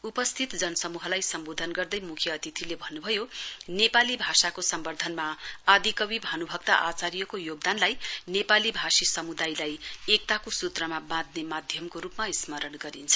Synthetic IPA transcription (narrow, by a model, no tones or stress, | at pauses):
upʌst̪ʰit̪d͡zʌnʌsʌmuɦʌlajsʌmbod̪ʱʌnɡʌrd̪ʌjmukʰjʌːt̪it̪ʰilebʱʌnːubʱʌjonepalibʱasakosʌmbʌrd̪ʱʌnmaad̪ikʌwibʱʌnubʱʌk̚t̪a̰ʔat͡saɾijʌkojoɡ̚d̪anlajnepalibʱasisʌmud̪ajlajek̚t̪akosut̪rʌmabãd̪̚nemad̪ʱjʌmkoɾupmaismʌɾʌnɡʌɾint͡sʰʌ̥